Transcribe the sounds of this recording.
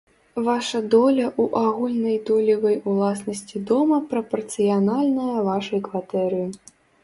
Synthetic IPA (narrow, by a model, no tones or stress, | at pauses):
vaʂɐd̪ɔlʲɐʔuʔaɣulʲnɐjd̪ɔlʲɐvɐjulˠasnɐsʲt͡sʲid̪ɔmɐpɾɐpɐrt̪sɨjanalʲnɐjɐvaʂɐjkvat̪ɛɾɨji